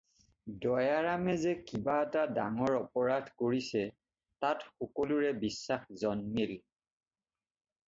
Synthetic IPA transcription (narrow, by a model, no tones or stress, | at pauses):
dɔjaɹamɛzɛkibaɛtadaŋɔɹɔpɔɹadʱkoɹisɛ | tatxɔkɔluɹɛbisːaxzɔnmil